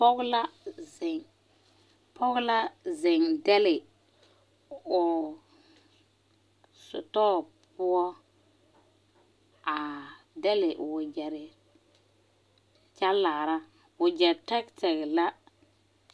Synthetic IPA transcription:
pɔ˦ɡla˦zɪ˨ŋ | pɔ˦ɡla˦zɪ˨ŋdɛ˦lɪ˨ | ʊ˨ | sʊ̰˨tɔː˦ | pʊ˦ɔ˦ | a˨ | dɛ˦lɪ˨ʔwʊ˨d͡ʒɛ˨ɾɪ˨ | t͡ʃa˦lːaː˨ɾa˦ | wʊ˨d͡ʒɛ˨ɾtɛ˦ktɛ˨kla˦

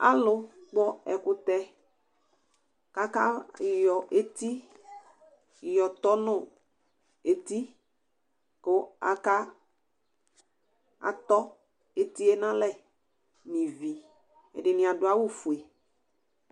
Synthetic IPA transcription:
a̰˦lʊ˦k͡pɔ˦ɛ˨kʊ˦t̪ɛ˦ | ka˦ka˦˨jɔ˨ʔe˦t̪i˦˨ | jɔ˨t̪ɔ˦nʊ̃˦ | e˨t̪i˦ | kʊ˦a̰˦ka˦ | a̰˨t̪ɔ˦ | e˦t̪i˦e˦nã˦lɛ˦ | nɪ̃˨vi˨ | ɛ̰˨dɪ˨nɪ̃˨a˨dʊ˨a˦wʊ˦fu˨e˨

